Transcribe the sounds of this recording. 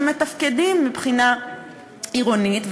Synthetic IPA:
metafkedimːipχina | iʁonit̪v

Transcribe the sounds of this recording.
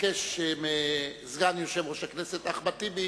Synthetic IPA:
keʃemezɡanjoʃevʁoʃakneset̪aχbat̪ibe

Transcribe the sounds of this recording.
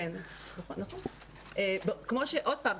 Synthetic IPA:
en | nɐχonːɐχon | ʔebkmoʃeʔod̚paːm

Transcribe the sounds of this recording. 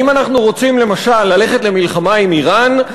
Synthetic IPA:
imanaχnuʁo̞t͡simle̞maʃalːale̞χe̞t̪le̞milχamaimiʁan

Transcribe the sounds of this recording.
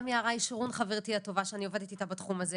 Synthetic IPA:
mjaːʁaiʃʁunχaveʁt̪iat̪o̞vaʃeanio̞ve̞d̪it̪it̪abat̪χumaze

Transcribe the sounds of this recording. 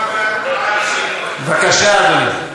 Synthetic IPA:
vakaʃanu

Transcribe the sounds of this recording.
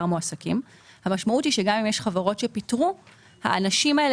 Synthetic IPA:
ʁmoasakim | hamaʃmautiʃeɡamimjeʃχavaʁo̞tʃe̞pitʁu | ha̰ʔanaʃimael

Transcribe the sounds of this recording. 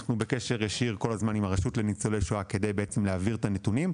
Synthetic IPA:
χnube̞keʃe̞ʁjaʃiʁko̞lazmanimaʁaʃutle̞nit͡solejʃuake̞d̪e̞jbeet͡se̞mleaviʁt̪anet̪unim

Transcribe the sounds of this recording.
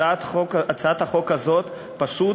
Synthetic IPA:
aokat͡saat̪haχo̞khazo̞t̪ | paʃu

